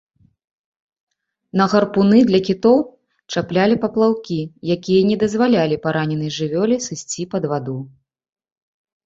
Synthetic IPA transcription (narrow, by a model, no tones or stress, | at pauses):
nɐɣɐrpunɨd̪lʲɐkʲit̪ɔw | t͡ʂaplʲalʲipɐplˠawkʲijakʲijɐnʲɛd̪ɐzvalʲalʲipaɾanʲɛnɐjʐɨvʲɔlʲisɨsʲt͡sʲipɐd̪vad̪u